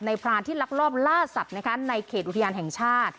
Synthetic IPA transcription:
na˧jpʰɾaː˧nt̪ʰiː˥˩la˦˥k̚ɾɔː˥˩p̚laː˥˩sa˨˩p̚na˦˥kʰa˦˥na˧jkʰeː˨˩ʔt̪ʰa˧jaː˧nɦɛ˨˩ŋt͡ɕʰaː˥˩t̪̚

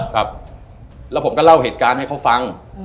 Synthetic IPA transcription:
kʰɾa˦˥p̚ | lɛ˦˥wpʰo˩˦mkɔ˥˩la˥˩wheː˨˩t̪̚kaː˧nha˥˩jkʰa˥wfa˧ŋ

